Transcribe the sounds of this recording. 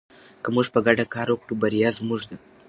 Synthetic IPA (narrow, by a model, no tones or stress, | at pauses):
kəmuʐpəɡaɖakɑɾwokɽubaɾjɑzmuʒd̪a